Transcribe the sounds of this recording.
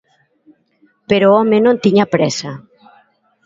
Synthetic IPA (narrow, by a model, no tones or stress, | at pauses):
peɾoɔmenõnt̪iɲapɾɛsa